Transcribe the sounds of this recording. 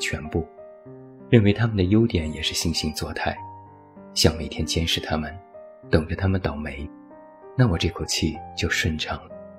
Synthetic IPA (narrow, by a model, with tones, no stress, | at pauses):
t͡ɕʰɥɛ˧˥npu˥˩ | ɻə˥˩nwe˧˥ɪt̪ʰa˥mə˨nd̪ə˩jo˥ʊt̪jɛ˨˩˥njɛ˨˩ʂɻ̩˥˩ɕi˥˧ŋɕi˧˥ŋt͡swɔ˥˧t̪ʰa˥˩ɪ | ɕjɑ˥˩ŋme˨˩ɪt̪ʰjɛ˥nt͡ɕjɛ˥nʂɻ̩˥˩t̪ʰa˥mə˨n | t̪ɤ˨˩ŋʈ͡ʂə˦t̪ʰa˥mə˨nt̪ɑ˨˩ʊme˧˥ɪ | na˥˩wɔ˨˩ʈ͡ʂɤ˥˩kʰo˨˩ʊt͡ɕʰi˥˩t͡ɕjo˥˧ʊʂwə˥˧nʈ͡ʂʰɑ˨˩ŋlə˦